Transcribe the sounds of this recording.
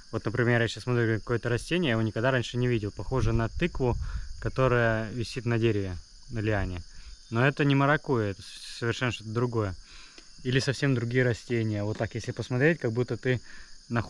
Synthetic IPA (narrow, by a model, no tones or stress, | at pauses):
vo̞t̪nəpɾʲɪmʲerjasɕasmɐt̪ɾʲukɐko̞jət̪əɾɐsʲtʲenʲɪjəjɪvonʲɪkɐɡd̪aɾanʲʂɨnʲɪvʲidʲɪlˠpɐxo̞ʐɨnɐt̪ɨkvʊkɐt̪o̞ɾəjəvʲɪsʲit̪nɐdʲeɾʲɪvʲɪ | nəlʲɪanʲɪnoɛt̪ənʲɪməɾɐkojəɛt̪əsəvʲɪrʂɛnːəʂt̪ot̪əd̪ɾʊɡo̞jə | ilʲɪsɐfsʲe̞md̪ɾʊɡʲijəɾɐsʲtʲenʲɪjəvo̞t̪ːakjesʲlʲɪpəsmɐt̪ɾʲet̚ʲkɐɡ̚but̪ːət̪ɨnɐx